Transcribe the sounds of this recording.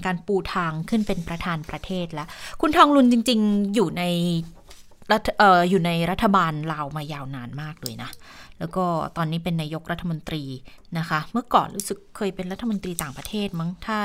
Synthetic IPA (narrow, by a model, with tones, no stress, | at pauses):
kaː˧npuː˨˩t̪ʰaː˧ŋkʰɯ˥˩˨npe˧npɾa˧t̪ʰaː˧npɾa˧t̪ʰeː˥˩t̪̚lɛ˦˥ʔkʰu˧nt̪ʰɔː˧ŋlu˧nt͡ɕi˧ŋt͡ɕi˧ŋjuː˨˩na˧j | ɾa˦˥tʔɤː˨˩juː˨˩na˧jɾa˦˥t̪ʰːa˧baː˧nlaː˧wmaː˧jaː˧wnaː˧nmaː˥˩k̚dɯː˧əjna˦˥lɛː˦˥wkɔː˥˩t̪ɔː˧nːiː˦˥pe˧nːaː˧jo˦˥k̚ɾa˦˥t̪ʰːa˧mo˧nt̪ɾiː˧na˦˥kʰa˦˥mɯ˥˩ɐkɔ̰ː˨˩nɾṵː˦˥sɯ˨˩kʰːɤː˧jpe˧nɾa˦˥t̪ʰːa˧mo˧nt̪ɾiː˧t̪aː˨˩ŋpɾa˧t̪ʰeː˥˩t̪̚ma˦˥ŋt̪ʰaː˥˩